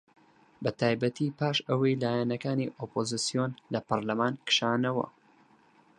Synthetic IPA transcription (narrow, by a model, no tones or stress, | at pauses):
bɐt̪ʰaːjbɐt̪ʰiːpaːʃəwɐjlaːjɛnɐkaːniʔoːpʰozɨsijonlɐpɐɾlɐmaːnkɨ̥ʃaːnɐwɐ̰